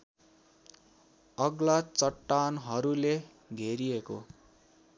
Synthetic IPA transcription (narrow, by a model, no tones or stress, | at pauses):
ʌɡlat͡sʌʈːanɦʌɾule | ɡʱeɾieko